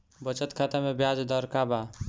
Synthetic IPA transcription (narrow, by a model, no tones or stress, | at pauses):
bət͡ʃət̪kʰat̪amebjad͡ʒd̪əɾkaba